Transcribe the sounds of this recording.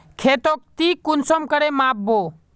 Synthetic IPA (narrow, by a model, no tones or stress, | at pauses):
kʰet̪ok̚t̪ikunsəmkəɾemap̚bo